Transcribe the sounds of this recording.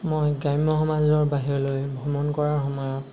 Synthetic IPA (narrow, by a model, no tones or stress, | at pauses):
mojɡajmɔxɔmazɔɹbaɦiɹɔlojbʱɔmɔnkɔɹaɹxɔmɔjɔt